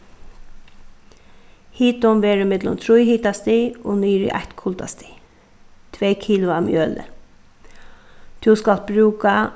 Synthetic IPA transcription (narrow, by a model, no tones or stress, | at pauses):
hiːt̪ʊmʋɛːɾɪmɪt̪lʊ̰mt̪ʰɾʊjhiːt̪ast̪iːoːnyːɾḭʔa̰ht̪kʰʊlt̪a̰st̪i̥ː | t̪ʰʋeːkʰiːlʊamjøːlə̰ | t̪ʰuskalt̪̚bɾʉːka